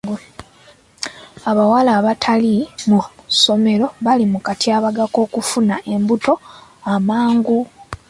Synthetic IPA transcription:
aβawalaːβatʰalimuso̞me̞ɾo̞βalimukatiaβaɡako̞ːkufunaʔe̞mbuto̞amaːŋɡu

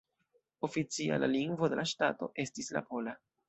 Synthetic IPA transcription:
o̞fit͡sia̰laliŋɡvode̞laʃtato̞̰ʔe̞stisla̰po̞la

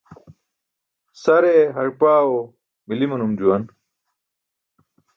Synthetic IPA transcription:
sɐɾeɦɐɾpaːwo | milimɐnumd͡ʑuwɐn

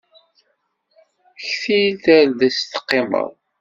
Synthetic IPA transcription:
çθiθæɾðæst̪ə̥qːemə̰ðˤ

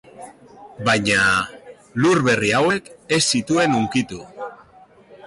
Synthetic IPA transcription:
baɲa | luɾβe̞riawe̞ke̞sːit̪ue̞nuŋkit̪u

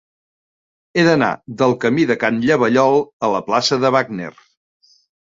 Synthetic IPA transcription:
eðəna̰ðəlˠkəmiðəkanʎəβəʎɔlˠələplasəðəβaɡnḛr

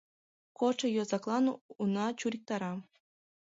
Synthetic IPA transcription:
koʈ͡ʂɤ̆jozɑklˠɑnunɑt͡ɕuɾʲik̚t̪ɑɾɑ

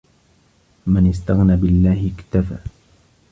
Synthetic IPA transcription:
mɪnɪst̪aɣnaːbɪlːaːhɪkt̪afa̰ː

